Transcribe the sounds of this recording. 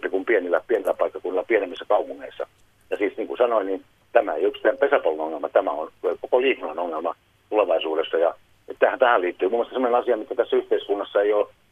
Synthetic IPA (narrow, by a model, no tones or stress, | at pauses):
pːikumpienilːæpienilːˑæpɑikːɑkunːˑilɑpienemːisːɑkɑupuŋːeisːɑ̰ | jɑsiːsniːŋkusɑnoinin | t̪æmæḛjyksi̥t̪ːˑæːempesæpolːunoŋːelmɑt̪æmæonkokoliːkunːɑnoŋːelmɑ | t̪uleʋɑisuːdesːɑjɑ | et̪t̪æhæt̪æhæliːt̪ːyːmumːŏɑst̪ɑsemːŏnenɑsiɑmit̪ːæt̪æsːæyht̪eiskunːɑsːɑeijoː